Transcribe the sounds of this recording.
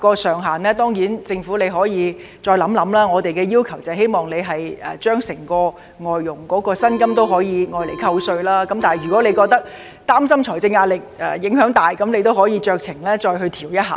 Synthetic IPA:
kɔː˧sœː˨˩ŋɦaː˨˩nlɛː˥t̪ɔː˥ŋjiː˨˥nt͡sɪ˧ŋfuː˨˥le˨˧jɦɔː˨˥jiː˨˧ | t͡sɔː˧jlɐ˨˥mlɐ˨˥mlaː˥ŋɔː˨˧t̪e˨jkɛː˧jiː˥wkʰɐ˨˩wt͡sɐ˨he˥jmɔː˨ŋle˨˧jɦɐ˨˩jɛ̰ː˨˩t͡ʃœː˥ŋsɪ˨˩ŋkɔː˧ | ŋɔː˨jːʊ˨˩ŋkɔː˨˥kɔː˧sɐ˥nkɐ˥mt̪o˥wɦɔː˨˥jiː˨˧ŋɔː˨˧jle˨˩jkʰɐ˧wsɵ˧ɥlaː˥kɐ˨˥mt̪aː˨˩˨jɥy˨kɔː˨˥le˨˧jkɔː˧k̚t̪ɐ˥k̚ | t̪aː˥msɐ˥mt͡ʃʰɔː˨˩jt͡sɪ˧ŋːaː˧lɪ˨k̚ʔɛ̰ː˨˧jɪ˨˥ŋɦœː˨˥ŋt̪aː˨˩jkɐ˨˧˥mne˨˧jt̪̬o˥wɦɔː˨˥jiː˧t͡ʃœː˧k̚t͡sʰɪ˨˩ŋlɛː˥t͡sɔː˧jɦɵ˧ɥt̪ʰiː˨˩wjɐ˥t̚ɦa̰ː˨

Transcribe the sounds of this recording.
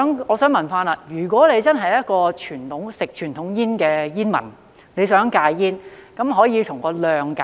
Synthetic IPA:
ɐ˨˥mɔː˨˧sœː˨˥ŋmɐ˨˩nfaː˥na˧jyː˨˩k̬ʷɔː˨˥le˨˧jt͡sɐ˥nɦɐ˨jɐ˥t̚kɔː˧t͡ʃʰyː˨˩nt̪ʰʊ˨˥ŋsɪ˨k̚t͡ʃʰyː˨˩nt̪ʰʊ˨˥ŋjiː˥nkɛː˧jiː˥nmɐ̰˨˩n | le˨˧jsœː˨˥ŋkaː˧jjiː˥nkɐ˨˥mɦɔː˨˥jiː˨˧tʰʊ˨˩ŋkɔː˧lœː˨ŋka˨

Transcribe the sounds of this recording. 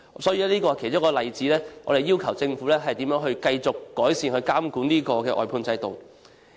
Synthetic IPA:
sɔː˨˥jiː˨˧lɛː˥iː˥kɔ˧˨kʰe˨˩jt͡sʊ˥kɔː˧lɐ˨jt͡siː˨˥lɛː˥ŋɔː˨˧e˨jːiː˥wkʰɐ˨˩wt͡sɪ˧ŋfu˨˥lɛː˥ɦɐ˨jt̪iː˨˥mjœː˧˥ŋɦɵ˧ɥkɐ˧jt͡sʊ˨kːɔː˨˥jsiː˨nhɵ˧ɥkaː˥mkuː˨˥niː˥kɔː˧kɛː˧ʔɔ̰ː˨˩jpʰuː˧nt͡sɐ˨˧jt̪o˨˩w

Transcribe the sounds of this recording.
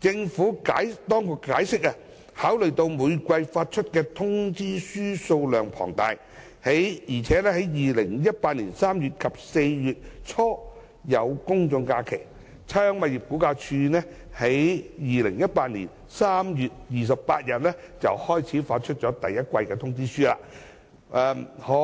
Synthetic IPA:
t͡sɪ˧ŋfuː˨˥ka̰ː˨˥jt̪ɔː˥ŋkʊ˨˧kːaː˨˥jsɪ˥k̚ɐ˧ | haː˨˥wlɵ˨˩ɥt̪o˧wmuː˨˧jkʷɐ˧jfaː˧t̚t͡ʃʰɵ˥t̚kɛː˧t̪ʰʊ˥ŋt͡siː˥syː˥so˧wlœː˨ŋpʰɔ̰ː˨˩ŋt̪aː˨j | he˨˥jjiː˨˩t͡sʰɛː˨˥lɛː˥he˨˥jjiː˨lɪ˨˩ŋjɐ˥t̚paː˧t̚niː˨˩nsaː˥mjyː˨˩t̚kʰɐ˨p̚se˧jjyː˨t̚t͡sʰɔː˥ | jɐ˨˧wkʊ˥ŋt͡sʊ˧ŋkaː˧kʰe˨˩j | t͡sʰœː˥ŋmɐ˨t̚ji˨p̚ku˨˥kaː˧t͡ʃʰyː˧nɛ˥ | he˨˥jjiː˨˧lɪ˨˩ŋjɐ˥t̚paː˧t̚nḭː˨˩n | saː˥mjyː˨t̚jiː˨s̬ɐ˨ppaː˧t̚jɐ˨t̚lɛː˥ | t͡sɐ̰˨whɔː˥jt͡sʰiː˨˥faː˧t̚t͡ʃʰɵ˥t̚t͡sɔː˨˥t̪ɐ˨jɐ˥t̚kʷɐ˧jkɛː˧t̪ʰʊ˥ŋt͡siː˥syː˥la̰ː˧˥ | ɛː˧hɔ˨˧

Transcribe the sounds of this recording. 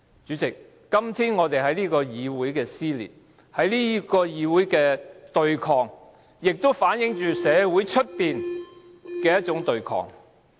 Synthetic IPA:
t͡ʃyː˨˥t͡sɪ˨k̚ː | ɐ˥mt̪ʰiː˥nŋɔː˨˧t̪e˨˩jɦɐ˨˥jliː˥kɔː˧jiː˨˧wuː˨˥jkɛː˧siː˥lḭː˨˩t̚ | hɐ˨˥jliː˥kɔː˧jiː˨˧wuː˨˥jkɛː˧t̪ɵ˨ɥkʰɔː˨ŋ | jɪ˨k̚t̪o˥wfaː˨˥njɪ˨˥ŋt͡ʃyː˨sɛː˨˧wu˨˥jt͡ʃʰɵ˥t̚piː˨n | kɛː˧jɐ˥t̚t͡ʃʊ˨˥ŋt̪ɵ˨ɥkʰɔ̰ː˨ŋ

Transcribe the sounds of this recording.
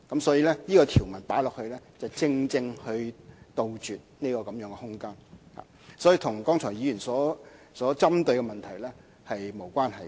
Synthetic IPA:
kɐ˨˥msɔː˨˥jiː˧lɛ˥niː˥kɔː˧t̪ʰi˨˩wmɐ˨˩npaː˨˥jlɔː˨k̚hɵ˧ɥlɛː˥t͡sɐ˨wt͡sɪ˧ŋt͡sɪ˧ŋhɵ˧ɥt̪o˨wt͡ʃyː˨t̚niː˥kɔː˧kɐ˨˦mjœː˨˧˥ŋkɛ˧hʊ˥ŋkaː˥nha̰ː˨˩ | sɔː˨˥jiː˨˧t̪ʰʊ˨˩ŋkɔː˥ŋt͡ʃʰɔː˨˩jiː˨˧jyː˨˩nsɔː˨˥ | sɔː˨˥t͡sɐ˥mt̪ɵ˨˧ɥkɛ˧mɐ˨nt̪ʰɐ˨˩jlɛː˥ | hɐ˨jmo˨˩wkʷaː˥nɦɐ˨˩j

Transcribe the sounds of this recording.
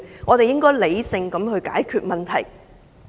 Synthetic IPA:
ŋɔː˨˧t̪e˨jɪ˥ŋkɔː˥jle˨˧jsɪ˧ŋkɐ˨˥mhɵ˨˧ɥka̰ː˨˥jkʰyː˧t̚mɐ˨nt̪ʰɐ̰˨˩j

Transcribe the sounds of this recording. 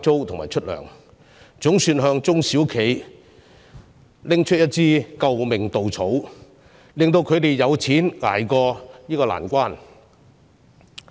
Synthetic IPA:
t͡so˥wt̪ʰŋmaː˨jt͡ʃʰɵ˥t̚lœ̰ː˨˩ŋ | t͡sʊ˨˥ŋsyː˧nɦœː˧ŋt͡sʊ˥ŋsiː˨˥wkʰe˨˧˥j | lɪ˥ŋt͡ʃʰɵ˥t̚jɐ˥t̚t͡siː˥kɐ˧wmɪ˨˩ŋt̪o˨wt͡sʰo˨˥w | lɪ˨ŋt̪o˧wkʰɵ˨˧t̪e˨jːɐ˨˧wt͡sʰiː˨˥nŋa̰ː˨˩jkɔː˧jiː˥kɔː˧la̰ː˨˩nkʷaː˥n

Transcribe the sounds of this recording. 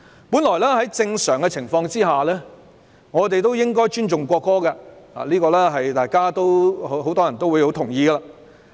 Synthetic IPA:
puː˨˥nlɔː˨˩lɛː˥ɦɐ˨˥jt͡sɪ˧ŋsœː˨˩ŋkɛ˧t͡sʰɪ˨˩ŋfɔː˧ŋt͡siː˥ɦaː˨lɛː˥ | ŋɔː˨˧t̪e˨jt̪o˥wjɪ˥ŋkɔː˥jt͡ʃyː˥nt͡ʃʊ˨ŋkʷɔː˧kːɔː˥ɡɐ˧la̰ː˨liː˥kɔː˧lɛː˥ɦɐ˨jt̪aː˨jkaː˥t̪o˥whɦo˨˥wt̪ɔː˥jɐ˨nt̪o˥wu˨˧jho˧˥wt̪ʰʊ˨˩ŋjiː˧ɡɐ˧laː˧

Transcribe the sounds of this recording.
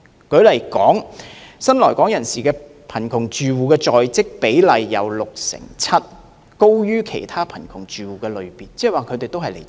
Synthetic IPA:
kɵ˨˧˥lɐ˨˩jkɔː˨˥ŋsɐ˥nlɔː˨˩jkɔː˨˥ŋjɐ˨˩nsiː˨˩kɛː˧ | pʰɐ˨˩nkʰʊ˨˩ŋt͡ʃyː˨wuː˨kɛː˧t͡ʃɔː˨jt͡sɪ˥k̚pe˨˥jlɐ˨jːɐ̰˨˧wlʊ˨k̚sɪ̰˨˩ŋt͡sʰɐ˥t̚ | ko˥wjyː˥kʰe˨˩jt̪ʰaː˥pʰɐ˨˩nkʰʊ˨˩ŋt͡ʃyː˨wuː˨kɛː˧lɵ˨˧ɥpiː˨nt͡sɛː˥ɛ˨waː˨kʰɵ˨˧ɥt̪e˨jt̪o˥wɦɐ˨jlḛ˨˩j

